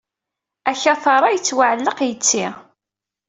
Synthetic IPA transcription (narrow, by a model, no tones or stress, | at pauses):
æçæθɑɾˤɑjət͡sːwaʕəlːəqjət͡sːi